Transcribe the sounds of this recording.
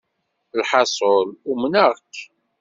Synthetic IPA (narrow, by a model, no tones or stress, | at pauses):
lħɑsˤolumnəʁkː